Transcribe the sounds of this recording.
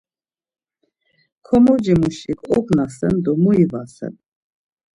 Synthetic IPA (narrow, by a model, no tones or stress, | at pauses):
kʰɔmɔd͡ʒimuʃikʰʼɔknasɛnd̪ɔmuivasɛ̰n